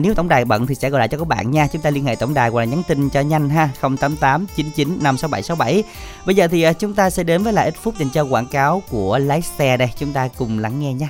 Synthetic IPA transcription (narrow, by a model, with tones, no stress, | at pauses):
ne˨˦wt̪ə˧˩wŋ͡mɗaː˨˩jɓə̰˧˨nt̪i˨˩sɛ̰˧˥˩ɣjla̰ː˧˨t͡ɕɔ˧k̚ːɓa̰ː˧˨nɲaː˧t͡ɕʊ˨˦ŋ͡mt̪aː˧li˧ənhḛ˧˨t̪ə˧˩wŋ͡mɗaː˨˩jwlaː˨˩ɲa˨˦nt̪ï˧ŋt͡ɕɔ˧ɲa˧jŋ̟ɦaː˧xə˧wŋ͡mt̪aː˨˦mt̪aː˨˦mt͡ɕi˨˦nt͡ɕi˨˦nːa˧msa˨˦wɓa˧˩jsa˨˦wɓa˧˩j | ɓə˧jzəː˨˩t̪ʰi˨˩ʔəː˨˦t͡ɕʊ˨˦ŋ͡mt̪aː˧sɛ̰˧˥ɗe˨˦nvəː˨˦jla̰ː˨˩ʔi˦˥t̚fʊ˦˥p̚ɗe˨˩ŋt͡ɕɔ˧kwaː˧˩nkaː˨˦wku˧˩əlaː˨˦jst̪ɛ˧nə˧jt͡ɕʊ˨˦ŋ͡mt̪aː˧kʊ˨˩ŋ͡mla˨˧˩ŋːɛ˧ɲaː˧